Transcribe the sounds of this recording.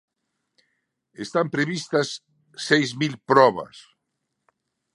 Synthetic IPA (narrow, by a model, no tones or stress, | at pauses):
est̪ampɾeβist̪ɐsː | ejzmilpɾɔβɐ̰s